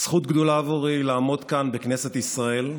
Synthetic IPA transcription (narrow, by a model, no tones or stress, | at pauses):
sχut̪ɡd̪olaːvoʁilaːmo̞d̪kanbekneset̪isʁae̞l